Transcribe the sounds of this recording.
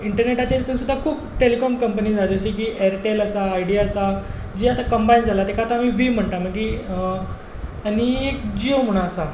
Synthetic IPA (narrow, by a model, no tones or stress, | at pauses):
iɳʈəɾneʈat͡ɕaet̪ənsud̪ʱːakʰuːpʈelikɔmkəmpəniːd͡zad͡zəɕik̬iːʔɛɾʈeləsaːjɽiaəsa | d͡ʑiːat̪akəmbaind͡zʱalat̪ekaat̪aːmiːʋiːm̤əɳʈ̪aməi | añiekd͡ʑiom̤əɽ̃aəsa